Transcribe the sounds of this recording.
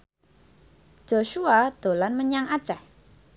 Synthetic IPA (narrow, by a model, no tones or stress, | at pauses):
d͡ʒ̥oʃuad̪̥o̤lanməɲaŋad̥ʒ̥ɛh